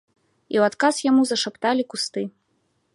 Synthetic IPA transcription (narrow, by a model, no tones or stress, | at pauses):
iwat̪kasjamuzɐʂapt̪alʲikust̪ɨ